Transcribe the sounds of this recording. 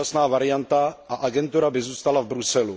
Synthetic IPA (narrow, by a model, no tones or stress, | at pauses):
asnaːvaɾɪjant̪aʔaʔaɡɛnt̪uɾabɪzuːst̪alavbɾusɛlu